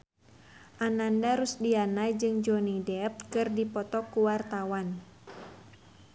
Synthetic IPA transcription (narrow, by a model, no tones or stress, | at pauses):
ʔanandaɾusdianajd͡ʒɨŋd͡ʒɔnidɛp̚kɨrdipɔt̪ɔkuwart̪awan